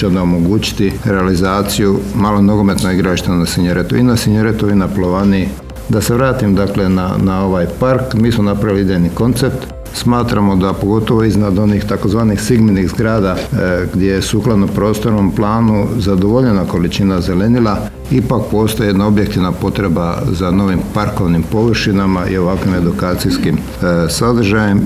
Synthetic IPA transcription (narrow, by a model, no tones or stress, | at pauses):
d̪aomo̞ɡuːt͡ʃi̥t̪iɾe̞alizaːt̪sijumalonoɡome̞t̪noiɡɾaliʃt̪enasiɲoɾet̪uinasiɲoɾet̪uinaplˠoʋanii | d̪ase̞ʋɾaːt̪imd̪akle̞na̰nao̞ʋajpaɾkmiːsmonapɾaʋiliid̪ejniko̞nt̪se̞p̚t̪ | smaːt̪ɾamod̪apo̞ɡo̞t̪o̞ʋoiznad̪o̞nixt̪ako̞zʋaːnixsiɡminiɣzɡɾaːd̪aɡd̪jejesuːklˠad̪nopɾo̞ːst̪o̞ɾnomplˠaːnuzad̪oʋoʎe̞nako̞lit͡ʃinaze̞le̞nila | ipak̚po̞ːst̪o̞jeed̪nao̞bjekt̪iʋnapo̞t̪ɾe̞ba̰zano̞ʋimpaɾko̞ʋnimpo̞ʋr̩ʃinamaʔḭo̞ʋakʋime̞d̪ukaːt̪sijskim | sad̪r̩ʒajem